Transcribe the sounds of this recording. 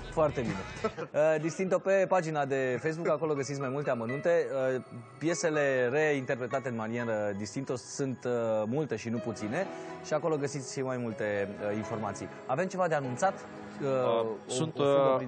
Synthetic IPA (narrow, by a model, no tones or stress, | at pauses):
foart̪e̞bine̞əd̪ist̪int̪o̞pe̞pad͡ʒinad̪e̞fejs̬bukako̞lo̞ɡəsit̪sʲmajmult̪e̞amənunt̪e̞əpje̞se̞le̞re̞int̪e̞rpɾe̞t̪at̪e̞ɨnmanie̞ɾəd̪ist̪int̪o̞sunt̪mult̪e̞ʃinuput̪sine̞ʃiako̞lo̞ɡəsit̪sʲʃimajmult̪e̞əinfo̞rmat̪sḭj | ave̞mt͡ʃe̞vad̪eanunt̪sat̪ | əunt